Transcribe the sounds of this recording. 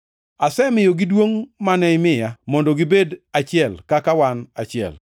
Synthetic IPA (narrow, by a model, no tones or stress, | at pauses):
asɛmɪjoɡɪdwoŋmanɛɪmɪjamɔndɔɡɪbedat͡ʃɪɛlkakawanat͡ʃɪɛ̰l